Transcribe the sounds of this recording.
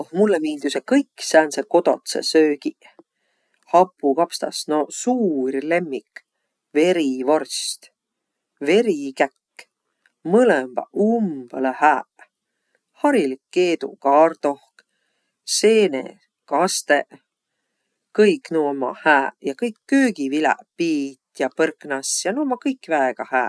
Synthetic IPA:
ohmulːemiːld̪usekɤjkːsænseko̞t̪o̞̰t̪sḛsøːki | hɑpːˑukɑpst̪ɑ̰snosuːrle̞mːik | ve̞ɾivo̞rst̪ | ve̞ɾikækː | mɤlembɑ̰ʔumb̥elɑhæː | hɑɾilikːeːd̪ṵkɑːrt̪o̞hk | se̞ːnḛ | kɑst̪eʔ | kɤjknuomɑ̰hæːjɑkɤjkːøːɡivilæ̰piːt̪jɑpɤrknɑsjɑnumɑkɤjkːvæeɡ̥ɑhæː

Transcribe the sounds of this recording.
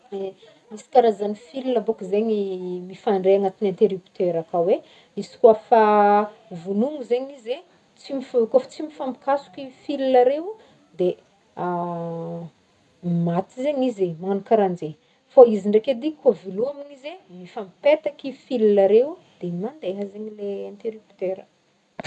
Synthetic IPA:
asi̥kaɾazanifilinəbokizeɲimifaɳɖ͡ʐeaŋat̪inant̪eɾupi̥t̪eɾakawe | isi̥kuafa | vunuŋuzeɲize | t͡simifkofḁt͡simifami̥kasu̥kifilinaɾeu | d̪e | a | mat̪izeɲizemaanukaɾand͡ze | faiziɳɖ͡ʐeked̪ikaviluaminizemifampet̪akifilunaɾewd̪̥emand̪eɦəzeɲileãnt̪eɾipi̥t̪eɾə

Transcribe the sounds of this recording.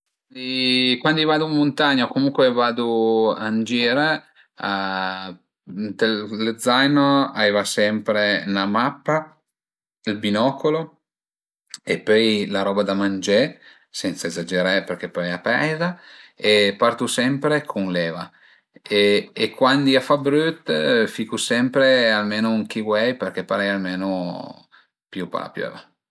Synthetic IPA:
ikwand̪ivaːd̪umont̪aɲːaokomuŋkwevaːd̪oa̰nd͡ʒiːɾe | a | t̪eled̪zːajnoa̰veːvasɛmpɾenamapːa | ilbinɔːkolo | epːɔjlaɾɔːbad̪amand͡ʒɛ | sɛnt̪saezad͡ʒeɾaeperk̟epːɔjapɛjzaepart̪usɛmpɾekʰonlɛːva | eːkwand̪iafabɾyt̪ːfikusɛmpɾealmeːnouŋk̟iwɛjperk̟epːaɾɛjalmeːno | pjupa̰pjo̰va

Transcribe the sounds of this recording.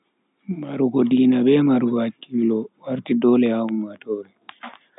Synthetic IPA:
maɾukɔdinaɓɛmaɾuwakːilɔwaɾtidɔlɛaumatɔːɾɛ

